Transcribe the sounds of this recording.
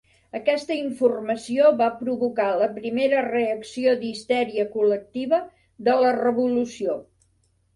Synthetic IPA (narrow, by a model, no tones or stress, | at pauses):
əkɛst̪əiɱfurməsioβapɾuβukaləpɾimeɾəreəksiod̪ist̪ɛɾiəkulək̚t̪iβə | ðələrəβulusio